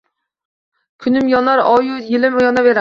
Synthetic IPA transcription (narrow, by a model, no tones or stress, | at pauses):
kʲʰynymjɔnɑɾɑjujelɪmjɔnɑveɾ